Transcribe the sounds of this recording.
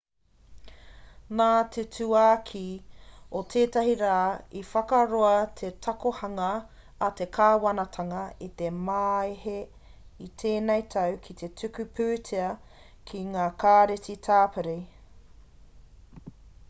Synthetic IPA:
naːt̪ʰetʉaːkʰi | otʰeːtɐɦiɾaːifɐkɐɾoɐt̪ʰe̞tʰɐkohɐŋɐː | t̪e̞kʰaːwɐnɐt̪ʰɐŋɐit̪e̞maehe | it̪ʰeːnejt̪ʰɐwkʰit̪ʰe̞tʰʉkʉpʰʉːtʰeɐ | kʰiŋaːkʰaːɾetitʰaːpeɾi

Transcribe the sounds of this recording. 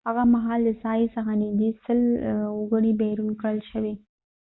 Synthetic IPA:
ɐɣãmɐɦaːlɪsaːisɐɦãnĩd͡ʑisɪlʊɡəɽ̃ibɛɦɾuːnkɐɽəlʃɐʋeː

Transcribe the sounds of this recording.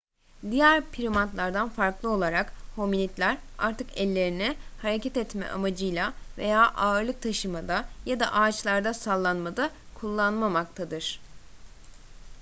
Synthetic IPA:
d̪ijæɾpʰiɾimant̪lˠaɾd̪anfaɾklˠɯo̞lˠaɾakho̞minʲit̪lʲæɾa̰ɾt̪ʰɯkɛlʲːe̞ɾinɛhaɾecʰɛt̪ɛt̪mɛ̰ʔa̰mad͡ʒɯjlˠave̞̰jaːʔaɯɾlˠɯk̚t̪ʰaʃɯmad̪ajad̪a̰ʔaːt͡ʃlˠaɾd̪asalˠːanmad̪a | kʰulˠːanmamak̚t̪ʰad̪ɯɾ̥

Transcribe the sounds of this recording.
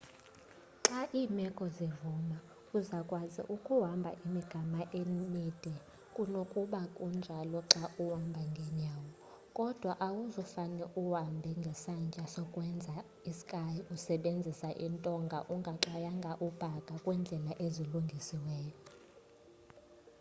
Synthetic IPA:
ǁaʔiːmɛkʼɔzevuma | uzakʼwazḭʔukʼuɦambʱa̰ʔimiɡ̥ʱamaʔemid̥ʱʼɛ | kʼunokʼuɓakʼund͡ʒʱalɔǁaʔuwambʱaŋɡʱɛɲaːwɔ | kʼɔd̥ʱwaʔawuzɔfanɛʔuwambʱɛŋɡʱɛsant͡ʃʼasɔkʼwɛnd͡zʱa | isi̥kʼajiusɛɓend͡zʱisaʔintʼɔŋɡʱaʔuŋɡʱaǁajaŋɡʱaʔub̥ʱakʼakʼwɛnd͡ɮʱɛlaʔeziluŋɡʱisiwɛːjɔ

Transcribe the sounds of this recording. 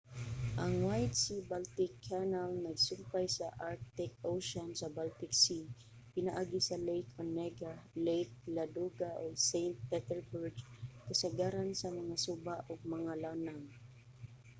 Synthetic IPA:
ʔaŋwajt̪sibalt̪ɪkʰːanalnaɡsʊmpajsaʔaɹk̚t̪ɛkoʃɔnsabalt̪ɪksi | pɪnaʔaːɡisalejkʰɔnːɛɡalejk̚lad̪uɡaʔoɡsejnt̪̚pɛt̪ɛɹbʊɹɡkasaɡaɾansamaŋasubaʔʊɡ̚maŋalanaŋ

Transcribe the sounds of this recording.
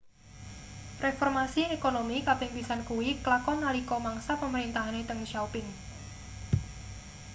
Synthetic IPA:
refɔrmasiekonomikapɪŋpisankuwiklakɔnalikɔmaŋsapəməɾint̪aɦanet̪əŋʃawpɪŋ

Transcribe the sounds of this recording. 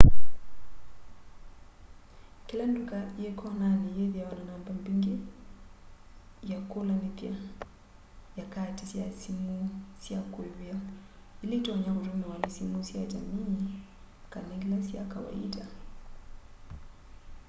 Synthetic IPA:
kilandukaijɛkɔnanijɛðiawananambambiŋɡi | jakulanipia | jakatisiasimusiakwɛβia | ilitɔɲaut͡ʃumɛwanisimusiad͡ʒamiː | kanɛlasia̰kawa̰ḭda

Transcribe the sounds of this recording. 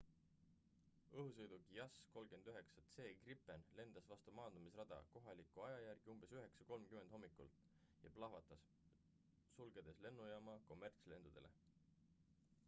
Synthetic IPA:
ɤɦusɤjd̪uɡjɑsko̞lɡ̥end̪̥yɦe̞ksɑt̪se̞ːɡripːˑenle̞nd̪̥ɑsvɑst̪umɑːnd̪̥umisrɑd̪̥ɑ̰ko̞ɦɑlikˑuɑjɑjærɡ̥iumb̥e̞syɦe̞ksɑ̥ko̞lmkymed̪̥̞mːikṵlt̪ | jɑplɑɦvɑt̪ːˑɑs | sulɡ̥e̞d̪̥esle̞nːujɑmɑko̞mːe̞rt̪sle̞nd̪̥ud̪̥e̞lʔe̞̰

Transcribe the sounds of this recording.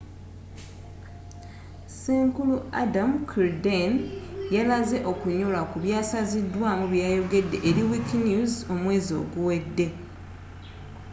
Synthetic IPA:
seːŋkulua̰damkʰiɾdenjalaze̞ʔo̞kuɲolakuβjaːsazidwaːmuβjaːjo̞ɡe̞dːe̞̰ʔeɾiwikinjuzo̞mwe̞ːzio̞̰ɡuwe̞dːe̞

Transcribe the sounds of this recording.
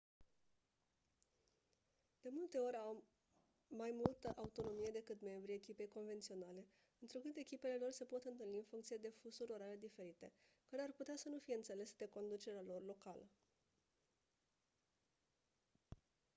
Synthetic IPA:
d̪̥e̞mult̪e̞o̞ɾʲawː | ajmult̪əʔaut̪o̞no̞mije̞d̪e̞kɨt̪me̞mbɾiekʲipe̞jko̞nve̞nt̪sio̞nale̞ | ɨnt̪ɾukɨt̪e̞kʲipe̞le̞lo̞rse̞po̞t̪ɨnt̪ɨlniɨnfuŋkt̪sijed̪e̞fusuɾʲo̞ɾale̞d̪ife̞ɾit̪e̞kaɾearput̪easənufijeɨnt̪se̞le̞sed̪e̞ko̞nd̪ut͡ʃe̞ɾealo̞rlo̞kalə

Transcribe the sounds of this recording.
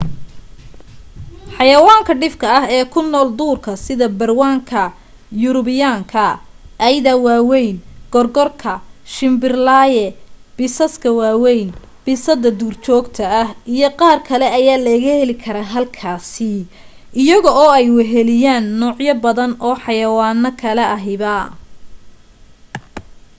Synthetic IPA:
ħɑjɐwaːŋkʰɐɖɪfkʰɐɐɦɛːkʰʊnːɔːld̪uːrkʰɐsɪðɐbɐrwaːŋkʰɐ | jʊɾʊβɪjaːŋkʰɐ | ʔɐjðɐwaːwɛjnɡ̥ɔrɡɔrkʰɐʃɪmbɪrlaːjɛb̥ɪsɐskʰɐwaːwɛjn | b̥ɪsɐd̪ɐd̪uːrt͡ʃʰɔːɡt̪ʰɐːhʔijɔqɑːrkʰɐlɛɐjaːlɛɣɐhɛlɪkʰɐɾaːɦɐlkʰaːsɪ | ʔɪjɐɣɔɔːɛjwɑɦɛlɪjaːnːɔːʕjɐbɐðɐnʔɔːħɑjɐwaːnːɐkʰɐlɛʔɐɦɪβɐ

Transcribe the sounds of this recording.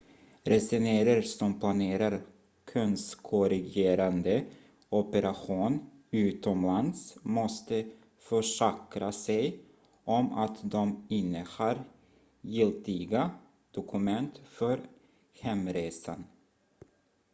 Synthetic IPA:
ɾʔɛsɛneːɾəɾsɔmpʰlaneːɾaɾ | kʰœnskʰɔɾɪɡeːɾand̪ə | ɔpəɾʔaɧuːn | ʉ̟ːt̪ɔmland̪smɔst̪ə | fœʂɛkɾasɛj | ʔɔma̰t̪d̪ɔmɪnːəhaːɾ | jɪlt̪ɪɡa | d̪̥ʊkʰɵmɛnt̪fœɾ | hɛmɾeːsa̰n

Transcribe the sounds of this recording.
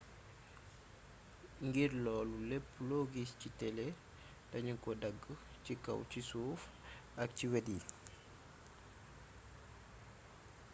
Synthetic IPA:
ŋɡirlɔːlulɛpːlɔːɡiscitɛle | tɐɲuŋkɔdɐɡːə | cikɐ̰wcisuːf | ɐk̚ciwedi

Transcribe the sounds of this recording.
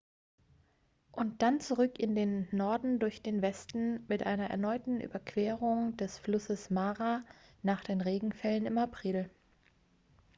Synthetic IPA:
ʔʊnt̚d̥ant͡suʁʏkɪndeːnːɔɐdn̩dʊɐçd̥eːnvɛstn̩mɪtʔaɪnɐʔɛ̰ɐnɔʏtn̩ʔy̰ːbɐkv̥eɛːʁ̞ʊŋd̥ɛsflʊsəsmaːʁanaːχd̥eːnʁeːɡŋ̩fɛlənɪmapʁ̥ɪl

